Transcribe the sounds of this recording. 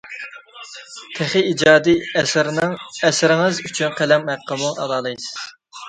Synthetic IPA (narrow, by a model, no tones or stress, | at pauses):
t̪ʰæχiid͡ʒɑːd̪iɛsɾnɨŋɛsɪɾɪŋɨzyt͡ʃʰynqʰælɛmhæqʰːəmuɑ̰lˠɑːlˠɨjsz̥